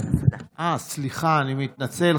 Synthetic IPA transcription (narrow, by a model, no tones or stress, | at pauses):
asliχaːnimit̪̚nat͡sel